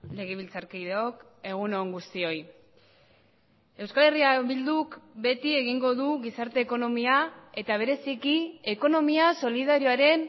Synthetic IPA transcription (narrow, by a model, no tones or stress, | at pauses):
le̞ɣ̞eβ̞ilt͡saɾkiðeo̞k | e̞ɣ̞uno̞ŋɡust̪io̞j | e̞wskale̞riaβild̪ukbe̞t̪ie̞ɣiŋɡo̞ðuɣisaɾt̪e̞ːko̞no̞miae̞t̪aβ̞e̞ɾe̞sikie̞ko̞no̞miaso̞lið̞aɾijoaɾe̞n